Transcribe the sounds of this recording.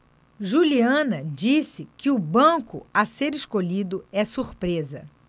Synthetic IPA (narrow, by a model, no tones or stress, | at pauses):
ʒuliɐ̃nɐd͡ʒisɪkɪʊbɐ̃kʊ̰ɐseɾeʃkoʎid̪ʊɛsuɾpɾezɐ̰